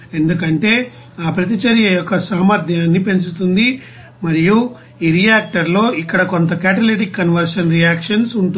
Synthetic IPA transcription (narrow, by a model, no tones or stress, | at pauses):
e̞nd̪ukɐɳʈe̞ː | aːpɾɐt̪̬it͡ʃɐɾjɐjɔkːɐsaːmɐɾd̪ʱjaːnːipe̞ɲt͡ʃut̪und̪i | mɐɾiju | iːɾijaːk̚ʈɐɾlo̞ːʔikːɐɽɐko̞nt̪ɐkaːʈɐliʈ̬ikːɐnʋɐɾʂɐnɾijaːkʂɐnsuɳʈu